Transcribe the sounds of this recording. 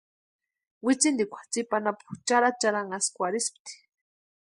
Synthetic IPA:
wit͡sind̪ikʷʰḁt͡sipanapu̥t͡ʃaɾat͡ʃaɾaŋaskʷaɾisp̚t̪i̥

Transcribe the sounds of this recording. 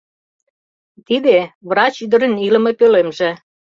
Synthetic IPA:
t̪id̪eβrɑt͡ɕyd̪ə̆ɾə̆nilə̆mepølemʒĕ

